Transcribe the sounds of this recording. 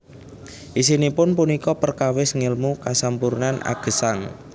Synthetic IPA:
ʔisinipʊnpunikɔpərkawɪsŋɪlmukasampuɾnana̰ɡ̥ə̤saŋ

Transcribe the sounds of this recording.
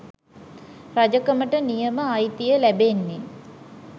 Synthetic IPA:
rad͡ʒəkəməʈənijəməajt̪ijəlæbenːe

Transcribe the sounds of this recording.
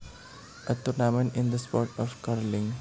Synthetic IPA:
ət̪ʊɾnamə̃nɪ̃nd̪əspɔːʈɔfkaɾlɪ̃ŋ

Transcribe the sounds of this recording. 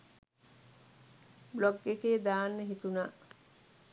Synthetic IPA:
blɔɡekeːd̪aːnːeɦit̪unaː

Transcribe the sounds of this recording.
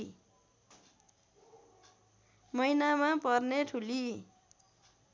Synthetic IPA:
mʌjnamapʌrneʈʰuli

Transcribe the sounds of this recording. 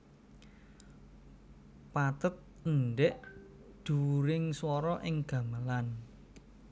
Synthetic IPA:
pat̪ət̪̚ | ənɖɛʔ | d̪̥ṳuɾɪŋswɔɾɔʔɪŋɡ̥ä̤məlan

